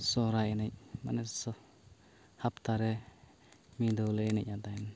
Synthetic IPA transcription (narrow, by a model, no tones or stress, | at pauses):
sɔɾajɛnɛc̚ma̰nɛssɔ | hapt̪aɾɛ | mid̪ɔwlɛɛnɛc̚ˀat̪ajn